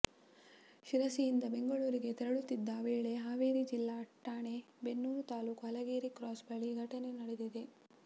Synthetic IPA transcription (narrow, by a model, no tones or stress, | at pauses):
ʃiɾɐsijind̪ɐbeŋɡɐɭuːɾiɡe̞t̪ɛɾɐɭut̪ːid̪ːɐʋeːɭe̞ɦaːʋeːɾid͡ʒilːaːʈːaːɳe̞ | benːuːɾut̪aːluːkɐlɐɡeːɾikɾaːsbɐɭiɡʱɐʈɐne̞nɐɽed̪id̪e̞